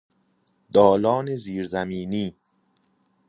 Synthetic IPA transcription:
d̪ɒːlɒːneziːɾzæmiːniː

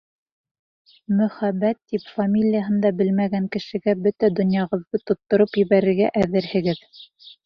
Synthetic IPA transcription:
mɵ̆χæbːæt̪ːipfamʲilʲijaɦɤ̆nd̪ɑbɘlmæɡæŋkɘ̆ʃɘ̆ɡæbɵt̪æd̪ŏnjɑʁɤ̆ðːɤt̪ŏt̪ːŏɾɤpjɘ̆βæɾɘ̆ɾɡæʔæðɘɾhɘ̆ɡɘð

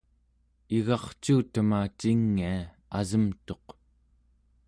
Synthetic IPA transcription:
iɣɑχt͡ʃuːt̪əmaːt͡ʃiŋːia | azəmt̪o̞q

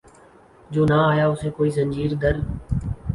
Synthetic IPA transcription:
d͡ʒoːnãːaːjaːʊseːkoːiːzə̃ɲd͡ʒiːɾd̪əɾ

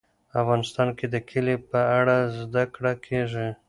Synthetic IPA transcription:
afɣɑnɪst̪ɑnked̪əkʰɪlepəaɽazd̪akɽakʰeʐi

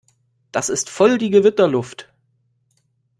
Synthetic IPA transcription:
d̥asɪstfɔldiːɡəvɪtɐlʊft

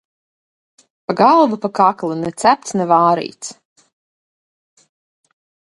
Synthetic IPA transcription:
paɡalˠvupakaklˠunɛt̪sæp̚t̪snɛvaːɾḭːt̪s

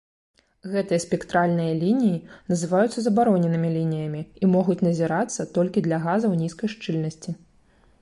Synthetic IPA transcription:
ɣɛt̪ɨjɐspʲɛkt̪ɾalʲnɨjɐlʲinʲijinɐzɨvajut̪sːɐzɐbaɾɔnʲɛnɨmʲilʲinʲijɐmʲiimɔɣut͡sʲnɐzʲiɾat̪sːɐt̪ɔlʲkʲid̪lʲɐɣazɐwnʲiskɐjʂt͡ʂɨlʲnɐsʲt͡sʲi

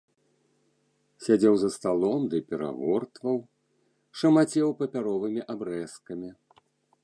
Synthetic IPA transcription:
sʲad͡zʲɛwzɐst̪alˠɔmd̪ɨpʲɛɾa̰ɣɔrt̪vɐw | ʂɐmat͡sʲɛwpɐpʲaɾɔvɨmʲiʔabɾɛskɐmʲi

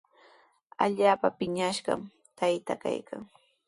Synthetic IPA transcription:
a̰ʎaːpapɪɲaʃɢɑ̰m | t̪ajt̪aka̰jkʰaŋ

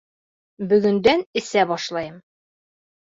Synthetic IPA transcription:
bɵ̆ɡɵ̆nd̪ænɘ̆sæbɒʃlˠɑjɤm

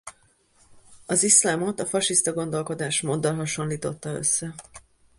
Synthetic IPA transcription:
ɒzislaːmo̞t̪ɒfɒʃist̪ɒɡo̞nd̪o̞lko̞d̪aːʃmoːd̪ːɒlɦɒʃo̞nliːt̪o̞t̪ːɒø̞̰sːɛ

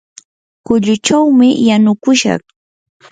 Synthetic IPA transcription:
kʊʎʊt͡ʃawmɪjanʊkʊʃɑ̰χ

